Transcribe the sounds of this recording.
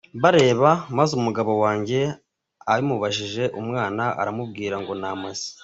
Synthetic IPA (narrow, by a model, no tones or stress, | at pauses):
βaɾe̞ːβamazumuɡaβo̞waːɲɟe̞ | aɾimuβaʃiʒe̞ʔumŋaːnaʔa̰ɾamub̚ɡiːɾaŋɡo̞namazi̥